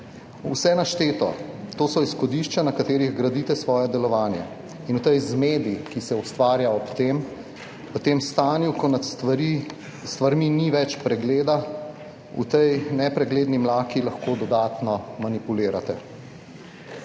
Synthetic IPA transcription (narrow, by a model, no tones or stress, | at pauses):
ṵsɛnaʃt̪eːt̪ɔ̰t̪oːsɔisxɔd̪iːʃt͡ʃanakat̪eːɾiɣɡɾad̪it̪ɛsʋɔːjɛd̪ɛlɔʋaːnja̰ | inut̪ɛjzmeːd̪ikisɛust̪ʋaːɾjaɔpt̪eːm | pət̪eːmst̪aːnjukɔnaɾi | st̪ʋaɾminiʋɛt͡ʃpɾɛɡleːd̪a | ṵt̪ɛjnɛpɾɛɡleːd̪nimlaːkilɐxkoːd̪ɔd̪aːt̪nɔmanipuleːɾat̪ɛ̰